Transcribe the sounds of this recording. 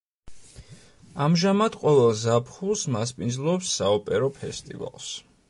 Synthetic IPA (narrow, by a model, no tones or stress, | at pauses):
amʒamad̪qʼɔvɛlˠzapʰχulˠsmaspʼind̪zlˠɔːpsːaɔpʼɛɾɔpʰɛst̪ʼḭva̰lˠs